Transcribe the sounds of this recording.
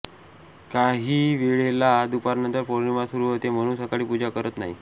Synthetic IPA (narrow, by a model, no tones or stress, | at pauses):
kaɦiːʋeɭelad̪upaɾnənt̪əɾfoɾɳimasuɾuːɦot̪em̤əɽ̃uːnsəkaɽiːpud͡ʑakəɾət̪na̰ɦḭ